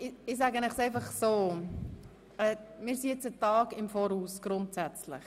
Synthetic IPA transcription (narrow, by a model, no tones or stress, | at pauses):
ɪɪsæɡənɛχsɛɪfɑχsoː | ɛmɪːɾsijet͡sətɑːɡɪmfɔːɾuːsɡ̥ɾʊntsæt͡slɪ̰χ